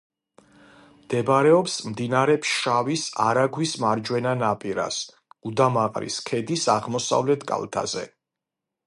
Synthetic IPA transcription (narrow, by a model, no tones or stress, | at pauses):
md̪̥ɛbɾɛɔpsmd̪inaɾɛpʰʃavisa̰ɾaɡwismaɾd͡ʒwɛnanapʼiɾa̰s | ɡud̪amaqʼɾḭskʰɛd̪isaʁmɔsa̰vlɛt̪ʰkʼa̰lˠt̪ʰa̰zɛ̰